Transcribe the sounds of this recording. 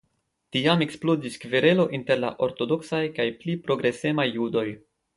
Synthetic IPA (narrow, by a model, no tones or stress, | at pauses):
tiame̞ksplo̞ziskveɾe̞lo̞ʔinte̞ɾla̰ʔo̞ɾto̞do̞ksajkajplipɾo̞ɡɾe̞se̞majːudo̞j